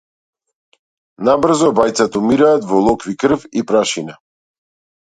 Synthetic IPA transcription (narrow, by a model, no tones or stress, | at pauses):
nabr̩zɔbajt̪sat̪umiɾaːt̪vɔlˠɔkvikr̩fipɾaʃina